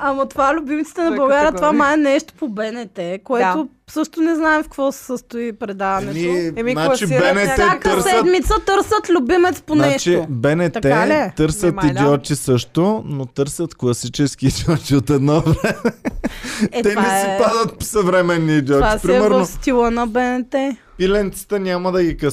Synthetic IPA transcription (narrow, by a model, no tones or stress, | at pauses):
ɐmɐt̪ovaɛlʲʊbimit̪ə̥t̪ɛnɐbɐɡaɾjət̪vamaɛnɛʃt̪o̥pobɛnɛt̪ɛkoɛt̪o | sɤʃt̪ʊnɛznaɛmfkvɔsɛ̥səst̪ʊipɾɛd̪avɐnɛinat͡ʃibɛnɛɛt̪əɾssɛəd̪mit̪sət̪ɤɾsət̪lʲʊbimɛt̪sponaɛʃt͡ʃibɛnɛt̪ɛt̪ɤɾsətid̪iɔt̪isɤʃt̪onot̪ɤɾsət̪klˠɐsit͡ʃɛsk̟iːd̪iɔt͡ʃiot̪ɛd̪nɔvɛɛmɛ | ɛɛnɛsipad̪ət̪̚sɐvɾɛmɛnːiːd̪iɔaispɾimɛɾnofst̪ilˠənɐbɛnɛt̪ɛ | pilɛnt̪si̥t̪ənʲamɐd̪ɐɡikə